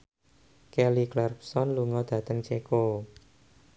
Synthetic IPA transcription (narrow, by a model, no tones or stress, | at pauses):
kɛliklɛrp̚sɔnluŋɔd̪̥ä̤t̪əŋt͡ʃeko